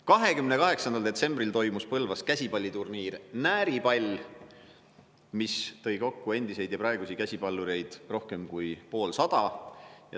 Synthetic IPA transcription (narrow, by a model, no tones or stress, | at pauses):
kɑɦe̞kymne̞kɑɦe̞ksɑnd̪ɑld̪e̞t̪se̞mbrilt̪o̞jmuspɤlvɑs̚kæsʲipɑlʲːit̪urniːrnæːɾipɑlʲ | mist̪ɤ̞jko̞kːue̞nd̪ise̞jd̪̥jɑpɾɑeɡusikæsʲipɑlːuɾe̞jd̪̥ro̞hke̞mkujpo̞ːlsɑd̪̥ɑjɑ̰